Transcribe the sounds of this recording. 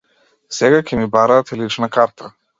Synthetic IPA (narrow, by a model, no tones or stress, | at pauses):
sɛɡakʲʰɛmibaɾaːt̪ɛlit͡ʃnakaɾt̪ʰa